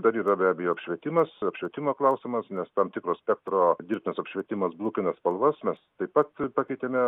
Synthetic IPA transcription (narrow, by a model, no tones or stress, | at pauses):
d̪ɐɾiːɾɐbʲæːbʲɛjoːɐpʲʃʲʋʲɛt̪ʲɪmɐsɐpʲʃʲʋʲiɛt̪ʲɪmoːklˠɐʊsʲɪmɐsnʲɛst̪ɐmt̪ʲɪkɾoːsʲpʲɛk̚t̪roːd̪ʲiːrp̚ʲnʲɪsɐpʲʃʲʋʲiɛt̪ʲɪmɐsblˠuːkʲɪnɐspɐlˠʋɐsmʲɛst̪ɐɪpɐt̪pɑkʲɛɪt̪ʲemʲɛ